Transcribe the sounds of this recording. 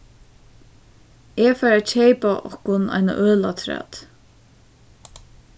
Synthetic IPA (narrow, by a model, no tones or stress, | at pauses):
ɛfaɾat͡ʃʰejpaʔɔ̰hkʊna̰jna̰ʔøːlat̪ʰɾɛ̰ːt̪